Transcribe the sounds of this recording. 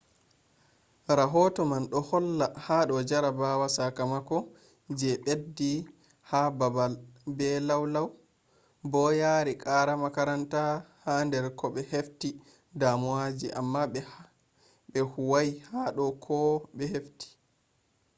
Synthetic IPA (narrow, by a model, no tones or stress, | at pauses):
ɾaɦɔtɔmanɗɔhɔlːahaɗɔd͡ʒaɾabawasakamakɔ | d͡ʒɛɓedːi | hababalbɛlawlaw | bɔjaːɾikʼaɾamakaɾantahandɛɾkɔɓɛhefti | damwad͡ʒiʔamːaɓɛh | ɓɛhuwajhaɗɔkʰɔɓɛhefti̥